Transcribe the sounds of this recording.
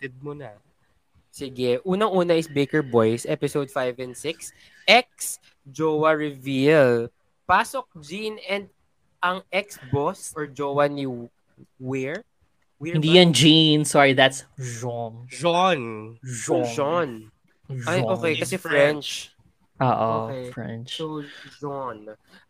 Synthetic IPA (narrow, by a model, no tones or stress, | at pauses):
t̪ɛd̪̚mona | sɪɡɛʔuːnɐŋʔuːnɐʔɪsbejkɛɹbojsʔɛpɪsowd̪̚fajvɛ̃nd̪sɪks | ʔɛk̚s | d͡ʒowɐɹɪvil | paːsok̚d͡ʒinɛnd̪̚ | ʔɐŋɛksbosɔɹd͡ʒowɐni | wɛɹ | wiɪnd̪ijɐ̃nd͡ʒinsɔɹiðat̪sd͡ʒɔŋd͡ʒɔnd͡ʒoɔn | ʔajoːkɛjkɐsɛfɹɛnt͡ʃ | ʔoːʔookɛfɹɛ̰nt͡ʃod͡ʒɔn